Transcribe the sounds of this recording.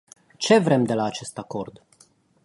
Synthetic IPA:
t͡ʃe̞vɾe̞md̪e̞laːt͡ʃe̞st̪ako̞rd̪

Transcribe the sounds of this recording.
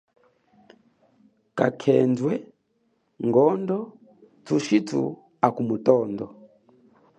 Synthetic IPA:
kakʰɛnd͡ʒwɛ | ŋɡɔndɔ | tʰuʃitʰṵ | akumutɔndɔ

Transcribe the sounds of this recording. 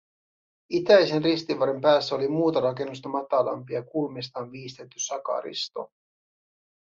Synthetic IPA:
it̪æjse̞nrist̪iʋɑɾe̞mpæːsːæolimuːt̪ɑɾɑke̞nːust̪ɑmɑt̪ɑlɑ̰mpiɑkulmist̪ɑːnʋiːst̪e̞t̪ːysɑkɑ̰ɾḭst̪o̞̰

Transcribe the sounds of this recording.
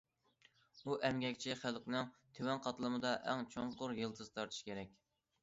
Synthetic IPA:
uʔɛmɡʲɛkʲt͡ʃʰiχælqʲnɨŋt̪ʰewɛnqʰɑt̪lˠɨmɨd̪ɑʔɛŋt͡ʃʰoŋqʊɾjɨlˠt̪ʰɨzɨt̪ʰɑɾt̪ʰu̥ʃi̥kʲʰeɾɛkʲ

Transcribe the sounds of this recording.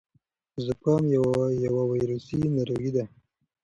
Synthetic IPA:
zəpɑmjawjawawajɾusinaɾoɡid̪a

